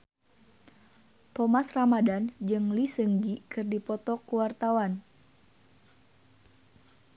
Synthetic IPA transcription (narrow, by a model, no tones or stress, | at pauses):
t̪ɔmasramadand͡ʒɨŋlisɨŋd͡ʒikɨrdipɔt̪ɔkuwart̪awan